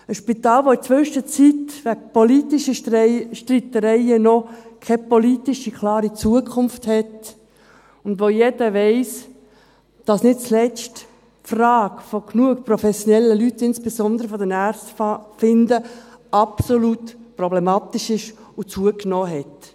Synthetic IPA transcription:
əʃpit̪ɑːlʋoɪt͡sʋøʃət͡sitʋæk̚pɔlitiʃəʃtritːəɾɛɪənɔkʰɛpɔlitɪʃikʰlɑːɾit͡suəkʰʊnfthɛt | ʊndʋojed̥əʋɛɪs | d̥ɑsnɪt̚t͡slɛt͡ʃt | frɑːkfoknuəkprɔfɛsjonɛlːəlytɪnsb̥esɔnd̪əɾəfɔdɛnært͡stfɪnd̪əɑpsolutprɔblɛmɑːt̪ɪʃɪʃʊt͡suəknɔːɦɛt

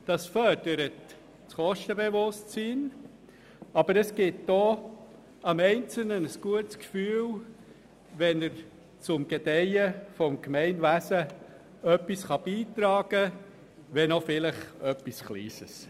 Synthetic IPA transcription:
d̥ɑsfœɾd̥əɾət | t͡sχɔʃtəbeʋʊstt͡siːn | ɑb̥əɾəsɡ̥ɪtd̥oː | ɑmɛɪnt͡sl̩nənəsɡ̥uətskfyːl | ʋɛnəɾ | t͡sʊmɡ̥ed̥ɛjəfɔmkmɛɪnʋæsə | œpːisχɑb̥iːt̪ɾɑːɡ̥ə | ʋɛnɔfɪləχœpːisχlḭːsəs

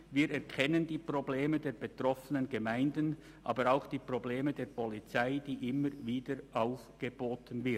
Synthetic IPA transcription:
viːɾɛɐkʰɛnəndiːpʁ̥obleːmədeːɐbetʁɔfənənɡəmaɪndən | ʔa̰ːbəɾaʊxd̥iːpʁ̥obleːmədeːɐpʰɔlit͡saɪd̥iːʔɪməɾviːdəɾʔaʊfɡ̥əboːtənvɪ

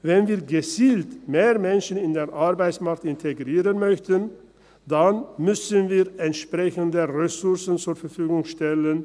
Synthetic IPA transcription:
vɛnviːɐɡət͡siːltmeːʁmɛnʃən̩ɪndeːɐʔaɐbaɪt͡smaɐk̚tɪntʰeɡʁiːʁənmœçtən | d̥anmʏsənviːɛntʃpʁ̥ɛçəndəʁɛsʊɐsən̩t͡suːɐfɛɐfyːɡʊŋʃtɛlən

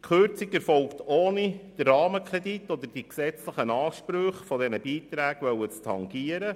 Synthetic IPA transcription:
kχøɾt͡sikɛɾfɔlktoːnid̥ərːɑːməkʰɾɛditːɔd̪əd̥iksɛt͡sləχənɑːʃpɾøχfɔdɛnəbiːt̪ɾæːɡʋœwət͡stʰɑŋɡiːəɾə

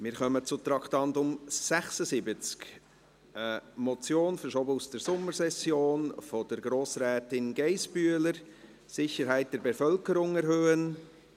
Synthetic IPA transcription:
mɪɾχœmət͡sʊt̪ɾɑktɑntʊmsæχsəsɪbət͡sk | əmɔt͡sjoːnfəɾʃɔbəusd̥əɾsʊmːəɾsɛsjoːnfod̥əɾɡɾoːsɾɛːtɪnɡɛɪsb̥yələɾ | sɪçəɾɦæɪt̚d̥ɛɾbɛfœlkəɾʊŋɛɾɦøːən

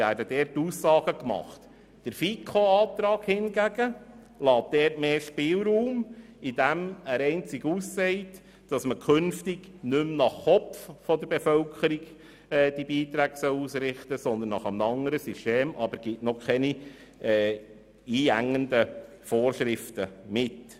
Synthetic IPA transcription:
æːɾdədɛːɾtːuːsːɑːɡ̥əkmɑ̰χt | d̥əɾfikʰoɑːt̪ɾɑːɡhɪnɡæɡ̥ə | lɑːt̚d̥ɛːɾtmeːʃpɪːlɾuːm | id̥æmæɾɛɪnt͡sɪɡuːsːɛɪt | d̥ɑsməkʰχɵnftiɡnʏmnɑχːɔffɔd̪əɾb̥efœlkʰəɾiɡ | ɛːd̥ibiːt̪ɾæːɡ̥sœlusɾɪχtəsɔnd̪ənːɑχəmnɑŋəɾəsysteːmɑbəɾɡ̥ɪtnɔkʰχɛni | ɛː | iːæŋːəndə | foːrʃɾɪftəmɪt

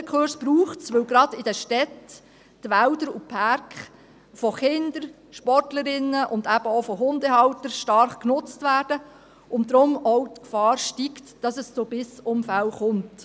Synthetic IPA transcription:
əkʰχʊɾsb̥ɾuːχtsʋɵwɡɾɑd̥ɪdəʃtɛtː | ʋæʊdəɾupʰɑɾkχ | fɔχɪnd̥̪əɾ | ʃpɔrtləɾɪnːəʔʊndæb̥əɔfɔɦʊndəɦɑwtəɾʃtɑɾχknʊt͡stvæːd̥ə | ʔʊndɾʊmɔwt̪kfɑːɾʃtiktd̥ɑsəst͡sobɪsʊmfæwχʊnt

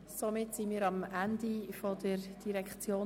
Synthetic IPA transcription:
somɪtsinmiːɾɑmændifodəɾd̥iɾɛkχt͡sjoː

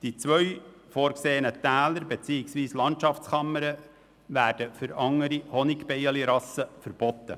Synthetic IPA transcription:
d̪̥it͡sʋœɥ | foːɾkseːənətæːləɾbet͡siɪksʋiːslɑnt̪ʃɑft͡skɑmːəɾə | ʋæːɾd̥əfʏɾɑŋːəɾihɔnɪkpɛjəliɾɑsəfəɾb̥ɔt̪ːə

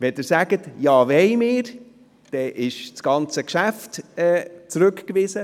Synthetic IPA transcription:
vɛdɪːɾsæɡ̥ətjɑːvɛɪmɪːɾ | d̥ɛʔɪʃt͡sɡ̥ɑnt͡səkʃæftɛːt͡sɾʉkkvɪzə

